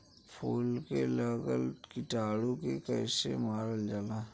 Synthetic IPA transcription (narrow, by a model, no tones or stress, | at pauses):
pʰuːlkeləɡəlkɪʈaːɽõkekɛːsḛmaːɾəld͡ʒaːlaː